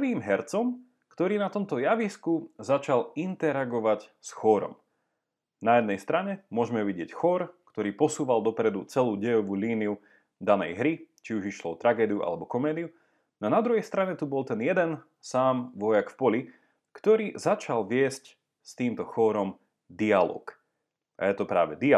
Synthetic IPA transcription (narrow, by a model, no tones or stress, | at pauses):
pʋiːmɦɛɾt͡sɔm | kt̪ɔɾiːnat̪ɔmt̪ɔjaʋiskuzat͡ʃalint̪ɛɾaɡɔʋacsxɔɾɔ̰m | najɛd̪nɛjst̪ɾaɲɛmʊɔʒmɛʋiɟɪɛcxɔɾkt̪ɔɾiːpɔsuːʋald̪ɔpɾɛd̪ut͡sɛluːɟɛjɔʋuːliːniu | d̪anɛ̰jɦɾit͡ʃiuʒiʃlɔɔt̪ɾaɡɛːd̪iuʔa̰lɛbɔkɔmɛːd̪iu | nanad̪ɾuɦɛjst̪ɾaɲɛt̪ubɔlˠt̪ɛnjɛd̪ɛn | saːmʋɔjakfpɔli | kt̪ɔɾiːzat͡ʃalʋɪɛsc | st̪iːmt̪ɔxɔːɾɔm | d̪ialɔ̰ːk | ʔa̰jɛt̪ɔpɾa̰ːʋɛd̪i